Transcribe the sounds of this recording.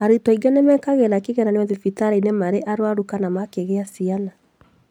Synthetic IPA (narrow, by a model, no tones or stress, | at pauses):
aɾetɔiɡanemɛkaɣɛɾakeɣɛɾaneɔðefitaɾainemaɾeʔaɾwaɾukanamakeɣeasiana